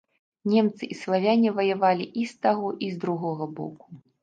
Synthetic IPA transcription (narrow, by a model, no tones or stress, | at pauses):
nʲɛmt̪sɨʔislˠavʲanʲivɐjavalʲiʔist̪aɣɔʔizd̪ɾuɣɔɣɐbɔ̰ku̥